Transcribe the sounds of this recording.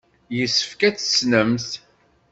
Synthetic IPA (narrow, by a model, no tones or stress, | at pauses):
jəsːə̥fkæt͡sːsnəmθ